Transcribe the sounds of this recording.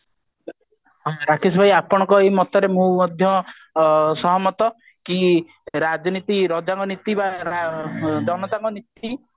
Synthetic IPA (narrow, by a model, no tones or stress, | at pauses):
ɾakʰis̬bʱajapɔɽ̃ɔ̃ŋkɔejmɔt̪ɔɾemũmɔd̪ʱjɔ | sɔɦɔmɔt̪ɔ | ki | ɾad͡ʒɔnit̪iɾɔd͡ʒaŋkɔnit̪ibaɾad͡ʒɔnɔt̪aŋkɔnit̪i